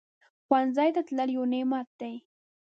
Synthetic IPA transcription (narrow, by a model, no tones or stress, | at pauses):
xwanzajt̪at̪laljonemat̪aj